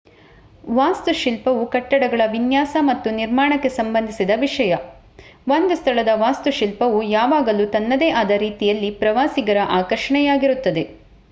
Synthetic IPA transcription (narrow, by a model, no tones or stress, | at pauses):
ʋaːst̪uʃilpɐʋukɐʈːɐɽɐɡɐɭɐʋinjaːsɐmɐt̪ːuniɾmaːɳɐkːe̞sɐmbɐnd̪ʱisid̪ɐʋiʂɐjɐ | ʋo̞nd̪ust̪ʰɐɭɐd̪ɐʋaːst̪uʃilpɐʋujaːʋaːɡɐlut̪ɐnːɐd̪eːʔɐd̪ɐɾiːt̪ijɐlːipɾɐʋaːsiɡɐɾɐʔaːkɐɾʂɐɳɛjaːɡiɾut̪ːɐd̪e̞